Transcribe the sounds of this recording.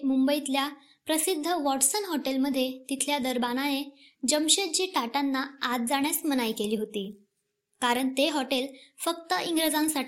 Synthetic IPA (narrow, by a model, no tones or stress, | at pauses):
mumbəit̪lja | pɾəsid̪ʱːəʋɔʈsənɦɔʈelməd̪ʱːjet̪it̪ʰljad̪əɾbananed͡ʑəmɕet̪̚d͡ʑiːʈaʈanːaːt̪̚d͡zaɳ̃jasmənajkeliːɦot̪iː | kaɾəɳt̪eɦɔʈelfək̚t̪əʔiŋɡɾed͡zãŋsaʈ